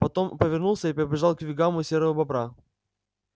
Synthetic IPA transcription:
pɐt̪o̞mpəvʲɪrnulˠsʲəipɪɾʲɪbʲɪʐɑlˠkvʲɪɡamʊsʲeɾəvəbɐbɾa

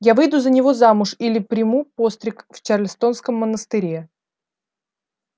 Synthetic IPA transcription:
javɨjd̪uzənʲɪvo̞zamʊʂilʲɪpɾʲɪmupo̞st̪ɾʲɪkft͡ɕarlʲɪst̪o̞nskəmːənəst̪ɨɾʲe

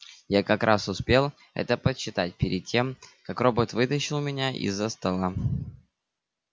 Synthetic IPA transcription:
jakɐkɾʔasʊspʲe̞lˠ | ɛ̰t̪əpəɕːɪt̪at̚ʲpʲɪɾʲɪd̪̚tʲːe̞mkakrobət̪vɨt̪əɕɪlˠmʲɪnʲaʔɪ̰zːəst̪ɐlˠa

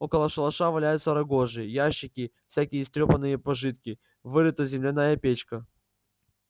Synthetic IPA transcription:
okəlˠəʂəlˠɐʂavɐlʲæjʊt̪səɾɐɡo̞ʐɨjəjaɕːɪkʲɪfsʲækʲɪjəst̪ɾʲopənːɨjəpɐʐɨt̪̚kʲɪ | vɨɾɨt̪əzʲɪmlʲɪnajəpʲet͡ɕkə

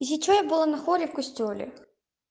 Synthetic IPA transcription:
zʲit͡ʃɔjɐbʊlˠanɐxɔɾʲiwkɔsʲtʲɔlʲḭ

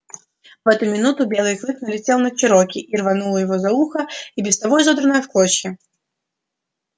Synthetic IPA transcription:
vɛt̪ʊmʲɪnut̪ʊbʲe̞lˠɨjklˠɨknəlʲɪt͡sʲelˠnət͡ɕɪɾokʲɪʔirvɐnulˠəjɪvozɐuxəibʲɪst̪ɐbojzod̪ɾənəjəfklˠot͡ɕjʲɪ

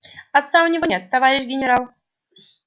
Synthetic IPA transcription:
at̪saʊnʲɪvɔnʲɛt̪ːɐvaɾʲɪʃɡʲɪnʲɪɾalˠ

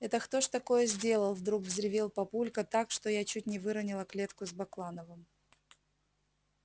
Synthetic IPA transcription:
ɛt̪əxt̪o̞ʂt̪ɐko̞jəzʲdʲe̞lˠəlˠvd̪ɾukvzʲɾʲɪvʲilˠpɐpulʲkət̪akʂt̪o̞jat͡ɕut̚ʲnʲɪvɨɾənʲɪlˠəklʲe̞t̪kʊzbɐklˠanəvɨm

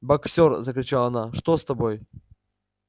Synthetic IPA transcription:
bɐkfsʲorzəkɾʲɪt͡ɕalˠɐnaʂt̪ost̪ɐboj

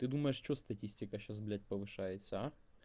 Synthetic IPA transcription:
t̪ɨd̪uməjɪʂt͡ɕost̪ɐtʲisʲtʲɪkəɕːasblʲæt̚ʲpəvɨʂajɪt̪səa

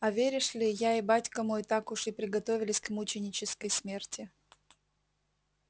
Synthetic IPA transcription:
ɐvʲeɾʲɪʂlʲɪjaɪbatʲkəmojt̪akʊʂɨpɾʲɪɡɐt̪o̞vʲɪlʲɪsʲkmut͡ɕɪnʲɪt͡ɕɪskəjsmʲertʲɪ

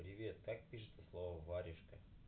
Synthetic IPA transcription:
pɾʲɪvʲe̞t̪̚kak̚pʲiʂɨt̪əslˠovəvaɾʲɪʂkə

